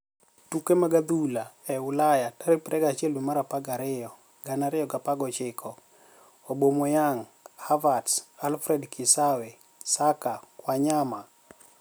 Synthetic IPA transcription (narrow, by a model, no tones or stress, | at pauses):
tukemaɡad̪ulaɛʊlajataɾipɾɛɡat͡ʃjɛlwimaɾapaɡaɾɪjɔ | ɡanaɾɪjɔɡapaɡɔt͡ʃɪkʰɔ | obomojaŋhavadsalfɾɛdkʰɪsawe | sakakwaɲama